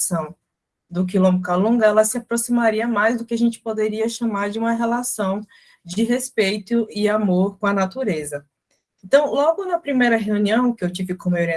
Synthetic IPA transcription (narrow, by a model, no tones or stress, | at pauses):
sɐ̃w̃ | d̪ʊk̬ɪlõmʊkalõŋɡɐɛlɐsɪapɾosimaɾiɐmajzd̪ʊkɪaʒẽnt͡ʃɪ̥pod̪eɾiɐʃɐmaɾd͡ʒɪũmɐɦelasɐ̃w̃ | d͡ʒɪɦespejt̪ʊɪamoɾkõɐnat̪uɾezɐ | ẽnt̪ɐ̃w̃lɔɡʊnɐpɾimejɾɐɦeũniɐ̃w̃kɪewt͡ʃivɪkõmajoɾiɐ